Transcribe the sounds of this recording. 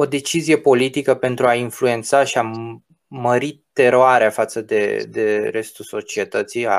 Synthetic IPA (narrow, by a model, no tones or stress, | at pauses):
o̞d̪e̞t͡ʃizije̞po̞lit̪ikəpe̞nt̪ɾuainflue̞nt̪saʃia | məɾit̪e̞ɾoaɾeafat̪səd̪e̞̰d̪e̞ɾest̪ulso̞t͡ʃie̞t̪ət̪sija̰